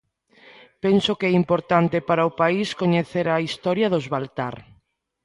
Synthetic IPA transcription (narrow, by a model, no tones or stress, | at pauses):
pensokɛimpoɾt̪ant̪epaɾaʊpaiskoɲeθeɾɐist̪ɔɾjɐðʊzβalt̪aɾ